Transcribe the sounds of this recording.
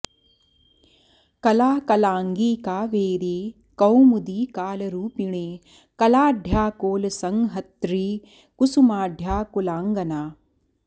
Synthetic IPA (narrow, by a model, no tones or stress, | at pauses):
kɐlaːkɐlaːŋɡiːkaːʋeːɾeː | kɐwmud̪iːkaːlɐɾuːpiɳeː | kɐlaːɖʱjaːkoːlɐsɐŋɦɐt̪ɾiː | kusumaːɖʱjaːkulaːŋɡɐnaː